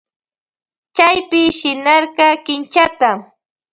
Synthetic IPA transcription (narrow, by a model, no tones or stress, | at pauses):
t͡ʃajpɪʃɪnɑɾkɑkɪnt͡ʃat̪a